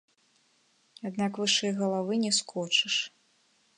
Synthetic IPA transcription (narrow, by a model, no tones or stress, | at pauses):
ad̪nakvɨʂɨjɣɐlˠavɨnʲɛskʰɔt͡ʂɨʂ